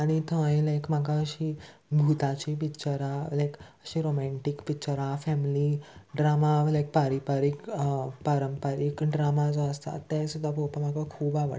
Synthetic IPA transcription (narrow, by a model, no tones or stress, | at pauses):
aɽ̃it̪ʰə̃jẽlajkmaɡaəɕibʱut̪at͡ɕip̬ikt͡ɕəɾalajkəɕiɾomɛ̃ɳʈikpikt͡ɕəɾafɛmliɖɾamalajk̚paɾipaɾikpaɾəmpəɾikɖɾamad͡zɔəst̪a̰t̪ːɛ̃sud̪ʱːapɔpam̤aɡakʰuːbaʋə̰